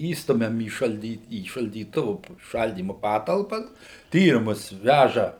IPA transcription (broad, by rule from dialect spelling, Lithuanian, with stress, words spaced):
ˈiːstʊmʲɛm iː ʃɐlʲˈdʲiː iː ʃɐlʲdʲiːˈtʊʋʊ ˈʃɐlʲdʲiːmʊ ˈpɑːtɐlˠpɐs ˈtʲiːrʲɪmʊs ˈʋʲæʒɐ